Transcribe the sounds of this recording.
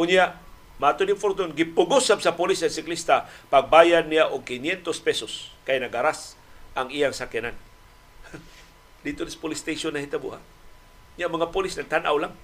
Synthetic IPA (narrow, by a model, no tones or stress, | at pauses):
ʔʊɲjaʔ | mat̪odɪŋfoɾt̪ʊnɡɪpʊɡusab̚sapolɪsasɪklist̪apaɡ̚bajad̪nːijaʔʊɡ̚kɪnjɛnt̪ospɛsoskajnaɡaɾasʔaŋijaŋsakɪnan | d̪it̪ʊnispolist̪ejʃonːahit̪abṵɦa̰ʔ | ɲamaŋapolisnaɡ̚t̪ana̰wlaŋ